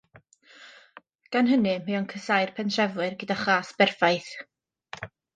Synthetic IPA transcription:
ɡ̥anɦənɨmaɔnkʰəsajrpʰɛnʰrɛvwɨrɡədaχaːsb̥ɛrfajθ

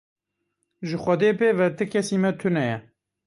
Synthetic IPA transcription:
ʒɨxʷɐd̪eːpeːvɛt̪ɨkʰɛsiːmɛt̪ʰɨnɛjɛ

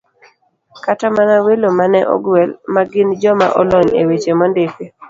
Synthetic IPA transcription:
katamanawelomanɛʔɔ̰ɡwɛlmaɡɪnd͡ʒɔma̰ʔɔlɔɲḛwet͡ʃemɔndepe

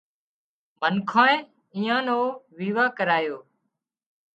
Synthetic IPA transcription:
mʱənkʰãːẽ | ĩːãːnoːʋiːʋaːkəɾaːjoː

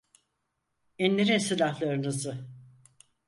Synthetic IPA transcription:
ɛnlʲeɾinsɯlʲahlˠaɾɯnɯzɯ

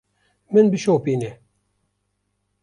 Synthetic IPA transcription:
mɨnbɨʃowpine

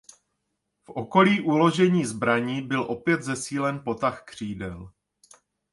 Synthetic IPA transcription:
fʔo̞ko̞liːʔulo̞ʒɛɲiːzbɾaɲiːbɪlʔo̞pjɛd̪zɛsiːlɛnpo̞t̪axkr̝̥iːdɛl

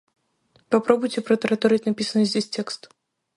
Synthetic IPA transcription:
papɾɔbujt͡sʲɛpɾɐt̪ɐɾɐt̪ɔɾɨtʲnapʲisɐnɨzʲd͡zʲesʲt͡sʲɛkst̪

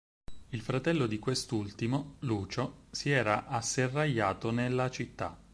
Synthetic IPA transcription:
ilfɾat̪ɛlːod̪ikwest̪ult̪imoluːt͡ʃosiɛːɾaʔasːerːaʎːaːt̪onelːat͡ʃit̪ːa̰

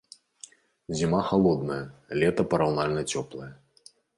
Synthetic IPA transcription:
zʲimaxalˠɔd̪nɐjɐlʲɛt̪ɐpɐɾawnalʲnɐt͡sʲɔplˠɐjɐ

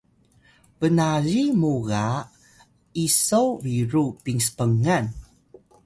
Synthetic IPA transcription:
vənaɾimuɣa | isowviɾupiŋsə̥pəŋan

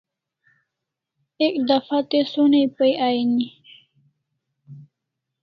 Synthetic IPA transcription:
ekd̪afat̪esonejpəjʔajni

